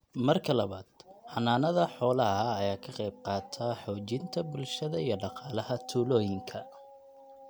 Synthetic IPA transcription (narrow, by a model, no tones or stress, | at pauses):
mɐrkʰɐlɐβaːd̪̥ħɑnaːnɐðɐħɔːlɐɦɐːjaːkʰɐqɛjb̚qɑːt̪ʰaːħɔːt͡ʃɪnt̪ʰɐbʊlʃɐðɐijɞɖɑqɑːlɐɦɐt̪ʰuːlɔːjɪŋkʰɐ